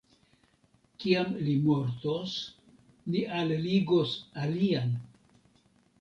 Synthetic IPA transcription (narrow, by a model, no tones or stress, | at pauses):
kiamlimoɾt̪os | liʔalliɡosalian